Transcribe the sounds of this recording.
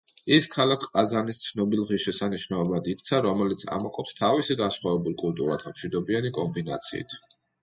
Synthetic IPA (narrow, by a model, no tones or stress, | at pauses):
iskʰalakʰqʼazanist̪sʰnɔbilˠʁiʃɛsaniʃnaɔbad̪iɾt̪sʰaɾɔmɛlit̪sʰa̰mɔqʼɔpst̪ʰavisiɡansχwavɛbulˠkʼulˠt̪ʼṵɾa̰t̪ʰamʃwid̪ɔbianikʼɔmbina̰t̪sʰḭːḭt̪ʰ